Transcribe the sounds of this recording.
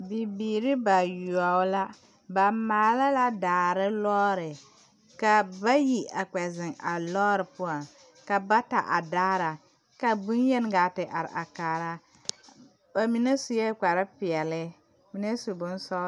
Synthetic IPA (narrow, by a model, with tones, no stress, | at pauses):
bi˨biː˨ɾɪ˦ba˨ju˨a˨˦la˦ | ba˨maː˨la˦la˦daː˨ɾɪ˦lɔː˦ɾɪ˨ | ka˨ba˦ji˦a˨k͡pɛ˨zɪ˨ŋa˨lɔː˦ɾɨ˨pʊ˦a˨n | ka˨ba˦ta˨ʔa˨daː˦ɾa˨ | ka˨bʊ˦njɛ˦n˦ɡaː˨tɪ˨ʔa˨ɾɪ̰˨ʔa˨kaː˨ɾa˦ | ba˨mi˨na˦su˨jɛ˦k͡pa˨ɾa˦pɪ˨ɛ˨lɪ˦ | mi˦ne˦su˨bʊ˦n˦sɔ˦